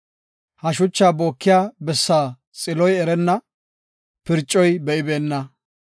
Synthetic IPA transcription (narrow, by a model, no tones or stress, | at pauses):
hɐʃ̬ʊt͡ʃːaːbo̞ːkːɪjaːbɛsːaː | t͡sʼɪlɔjɛɾɛnːɐ | pɪɾt͡ʃʼːɔjbɛʔɪbe̞ːnːɐ